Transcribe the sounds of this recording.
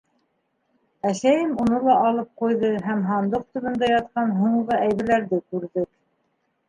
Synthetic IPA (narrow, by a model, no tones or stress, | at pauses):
æsæjɘmunɤlˠɑʔɑlˠɤp̚qujðɤɦæmɦɑnd̪oq̚t̪ŭðɤ̆nd̪ɑjɑt̪̚qɑnɦuɴʁɤæjβɘ̆ɾlæɾðɘkʉɾðɘk